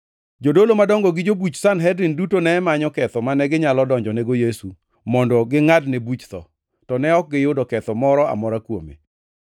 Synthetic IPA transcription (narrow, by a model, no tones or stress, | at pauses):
d͡ʒodolomadɔŋɡɔɡɪd͡ʒobut͡ʃsanɦɛdɾindutonɛːmaɲɔkɛt̪ɔmanɛɡɪɲalɔdɔɲd͡ʒɔneɡojesu | mɔndɔɡɪŋadnebut͡ʃt̪ɔ̰ | tɔnɛɔk̚ɡɪjʊdɔkɛt̪ɔmɔɾɔa̰mɔɾakwomḛ